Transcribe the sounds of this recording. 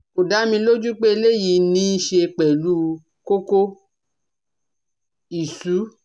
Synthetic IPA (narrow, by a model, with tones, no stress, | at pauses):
o˨da˨˦mĩ˧lo˦d͡ʒu˦k͡pe˦e˧le˦˨ji˨˧˦nĩ˧˦ʃe˧k͡pɛ˨lu˨˦ | ko˦ko˦ | i˨su˨˦